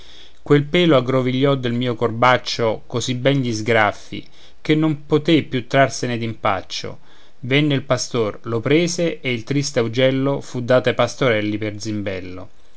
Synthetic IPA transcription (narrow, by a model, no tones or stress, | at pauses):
kwelpɛːloaɡɾoviʎːɔd̪ːelmiːokorbat͡ʃːokozibɛnʎizɡɾafːḭ | k̟enːompot̪epːjut̪ːɾarsened̪impa̰t͡ʃːo̰ | venːeilpast̪orlopɾeːseːilt̪ɾist̪eaud͡ʒɛlːofud̪ːaːt̪apast̪oɾɛlːiperd̪zimbɛlːo̰